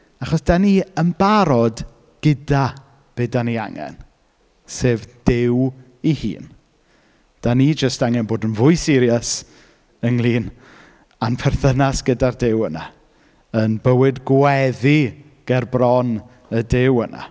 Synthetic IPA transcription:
aχɔsd̥aniəmbaɾɔd | ɡ̥ɪda | b̥eːdania̰ŋɛ̰n | seːvd̥ɪw | ihḭːn | d̥anid͡ʒəstaŋɛnboːdənvʊɨsɪɾjəs | əŋlˠiːn | anpʰɛrθənasɡ̥ədardɪwəna | ənbəwɨdɡwɛði | ɡ̥ɛrbrɔn | ədɪwənʔa̰

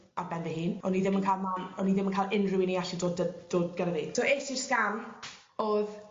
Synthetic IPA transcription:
arbɛnðɛɦiːnɔniðɪmənkʰaːlˠmanɔniðɪmənkʰaːlˠʔɪnrɪwɪniaɬidoːdəd̥oːd̚ɡəɾaðiːsoːesiskam | oð

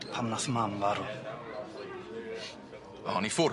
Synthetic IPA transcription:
pʰamnaθəmamvaɾʊ | aːnifɔ

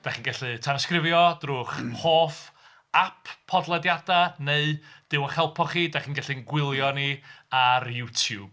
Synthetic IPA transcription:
d̥aχiːnɡɛɬɨtʰanɔskrɪvjɔd̥rʊːχhoːf | apʰːɔdlˠɛdjadaneɨd̥ɪwəχɛlˠpʰɔχiːdaχiːnɡɛɬɨnɡwɪlˠjɔniarjutʰjuːb̥̚

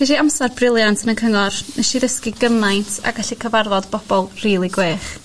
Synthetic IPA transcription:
v̥ɛʃiamsarbrɪlˠjantʰənənkʰəŋɔrnɛʃiðəskiɡəmajntʰa̰ɡaɬikʰəvarvɔdbɔb̥ɔlˠriːlˠiɡweːχ

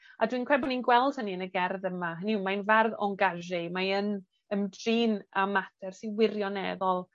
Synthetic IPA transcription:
adwinkʰrɛbɔninɡwɛlˠd̥həniənəɡɛrðəmaɦənimajnvarðɔ̰ŋɡaʒɪmajən | əmdriːnamatʰɛrsiwɪrjɔnɛːðɔlˠ

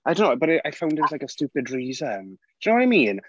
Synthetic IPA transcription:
ʔaɪdõʊ̃nobʌɾɪaɪfãʊ̃ndɪt̚wzlaɪkəstuːpɪdɹiːzənd̥nowɔɾaɪmĩːn

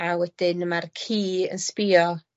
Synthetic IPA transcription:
awɛd̥ɪnmarkʰiːə̰nspɪɔ

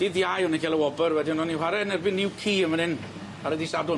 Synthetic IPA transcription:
d̥iðjajɔnikʰɛlˠəwɔbərwɛdiɔnɔnihwaɾɛnɛrbɪnːɪwkʰiːəmanhɪn | aɾədisadʊ

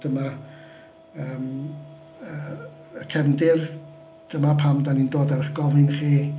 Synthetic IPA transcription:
d̥əma | əːm | ə | əkʰɛnndɪr | d̥əmapʰamdanindoːdarəχɡɔlˠhɪnχiː

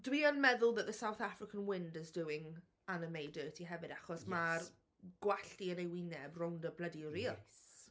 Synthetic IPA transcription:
d̥wiənmɛðʊlˠðəʔðəsawθafɾɪkʰənwɪndɪzdʊɪŋ | anɪmejdəːtʰiɦɛvɨdaχɔsmar | ɡ̥waɬtiənejwinɛbrʊndəblədiɾis

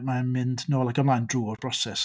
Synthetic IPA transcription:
mamɪndnoːlˠakɔmlˠajndruːrb̥rɔsɛs

